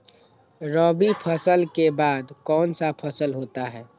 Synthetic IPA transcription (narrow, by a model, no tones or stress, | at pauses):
ɾɔːbipʰəsəlkebaːd̪kɔːnsapʰəsəlɦoːt̪aɦɛː